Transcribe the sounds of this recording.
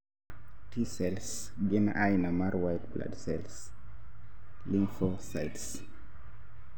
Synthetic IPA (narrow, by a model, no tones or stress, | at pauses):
tisɛls | ɡinaʔajnamaɾwajtbla̰dsɛls | liŋfosajts